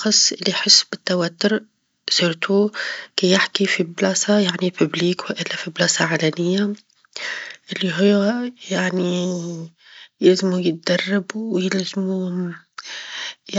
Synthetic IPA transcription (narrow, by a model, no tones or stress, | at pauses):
xɑsˤːʔɪlːiħɪsːbɪt̪ːawat̪ːʊɾ | siːɾt̪ukejɪħkifiblɑːsajaʕnipʊbliːkwɪʔɪlːafiblɑːsaʕaːlanɪjːa | ʔɪlːiɦʊːjaʕni | jɪlzɪmujɪt̪̚d̪ɑrˤːɪbuwjɪlzɪmu